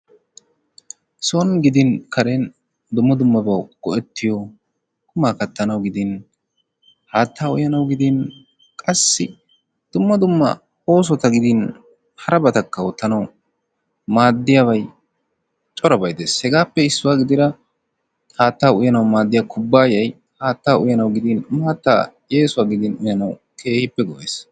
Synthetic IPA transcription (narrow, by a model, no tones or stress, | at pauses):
sɔnɡɪd̪ɪnkʰɐɾen | d̪ʊmːɐd̪ʊmːɐbɐwɡ̥ɔʔɛt̪ːɪjɔ | kʊmaːkɐt̪ːɐnɐwɡɪd̪ɪn | haːt̪ːaːʊ̰jɐnɐwɡɪd̪ɪn | kʼɐsːɪ | d̪̥ʊmːɐd̪ʊmːɐ̰ | oːs̬ɔt̪ɐɡɪd̪ɪn | hɐɾɐbɐt̪ɐkːɐwɔt̪ːɐnɐw | maːd̪ːɪjabɐj | t͡ʃʼɔɾɐbɐjd̪eːshɛɡaːpːɛɪsːʊwaːɡɪd̪ɪɾɐ | haːt̪ːaːʊjɐnɐwmaːd̪ːɪjaːkʰʊbːaːjɐj | haːt̪ːaːʊjɐnɐwɡɪd̪ɪnmaːt̪ːa̰ːje̞ːsʊwaːɡɪd̪ɪnʊjɐnɐw | kʰe̞ːhɪpːɛɡɔʔḛːs